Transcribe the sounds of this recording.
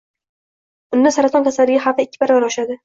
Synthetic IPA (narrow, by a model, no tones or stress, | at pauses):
ʊnd̪ːasaɾat̪ʰɒnkʰʲasalːɪɡʲaχafɪkʲːɪbaɾbaɾɒʃad̪ɪ